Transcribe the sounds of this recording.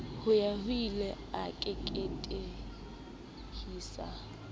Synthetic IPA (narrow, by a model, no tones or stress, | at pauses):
hʊjahilɛ | akʼɛkʼetʼe | hiːsa̰